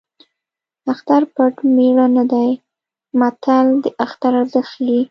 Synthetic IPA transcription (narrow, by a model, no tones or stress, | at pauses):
axt̪aɾpaʈmeɽanad̪aj | mat̪ʰald̪əʔaxt̪aɾazaxli